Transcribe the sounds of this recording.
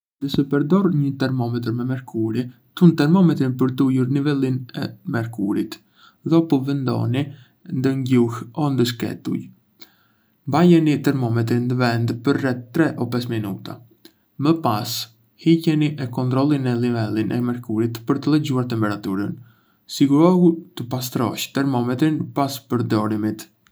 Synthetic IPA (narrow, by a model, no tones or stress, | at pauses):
d̪̥əsɛpɛɾd̪ɔɾɲət̪ɛɾmɔmɛt̪̬ɾmɛmɛɾkʰuɾi | t̪unt̪ɛɾmɔmɛt̪ɾinpəɾt̪ujuɾnivɛlinɛ̰mɛɾkuɾit̪ | ðɔpɔvɛnd̪ɔ̰ni | nd̪əɲɟuhɔnd̪əʃ̬kɛ̰t̪ṵj | mbajɛnit̪ɛɾmɔmɛt̪̬ɾind̪əvɛnd̪pəɾrɛt̪ːɾɛʔɔpɛsminṵt̪a̰ | məpas | hicɛniʔɛkɔnt̪ɾɔlˠinɛlivɛlˠinʔɛ̰mɛɾkuɾit̪pəɾt̪əlɛd͡ʑuaɾt̪ɛmpɛɾat̪uɾən | siɡuɾɔhut̪əpas̬t̪ɾɔ̰ʃt̪ɛɾmɔmɛt̪ɾinpaspəɾd̪ɔɾimit̪